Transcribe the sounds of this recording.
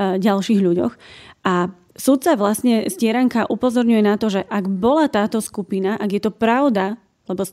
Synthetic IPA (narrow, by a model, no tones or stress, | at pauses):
ɟalʃiːɦʎuɟɔ̰xʔa | sut̪t͡saʋlasɲɛscɪɛɾaŋkaʔupɔzɔɾɲujɛnat̪ɔʒɛʔaɡbɔlat̪aːt̪ɔskupinaʔaɡjɛt̪ɔpɾaʊd̪a | lɛbɔ